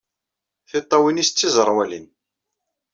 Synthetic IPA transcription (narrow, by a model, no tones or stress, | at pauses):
θit̪ˤːɑwinist͡sːizˤəɾˤwælḭn